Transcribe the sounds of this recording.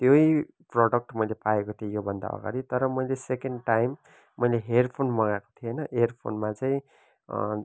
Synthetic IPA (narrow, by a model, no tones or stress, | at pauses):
t̪joj | prʌɽʌk̚ʈmʌjlepaekot̪ʰiejobʱʌnd̪a̰ʌ̰ɡa̰ɾit̪ʌɾʌmʌjlesekeɳɖʈajmː | ʌjleɦerpʰonmʌɡako̥t̪ʰienʌʔerpʰo̰nmat͡saĩ